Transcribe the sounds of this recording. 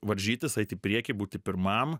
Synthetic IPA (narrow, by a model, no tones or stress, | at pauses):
ʋɐɾʲʒʲiːt̪ʲɪsɐɪt̪ʲiːpʲɾʲiɛkʲɪbuːt̪ʲɪpʲɪɾmɐm